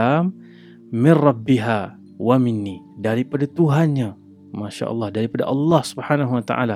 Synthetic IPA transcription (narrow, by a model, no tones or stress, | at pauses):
am | mɪnrɑbːiɦa | wamɪnːidaɾipadat̪uɦanɲa | maʃa̰ʔɑ̰lˠˤːɑhdaɾipada̰ʔɑlːɑhsubhanaɦuwat̪a̰ʔa̰la